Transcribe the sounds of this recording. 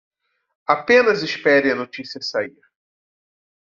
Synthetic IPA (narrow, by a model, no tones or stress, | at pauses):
apẽnɐzɪspɛɾẽɐnot͡ʃisiɐsaiɾ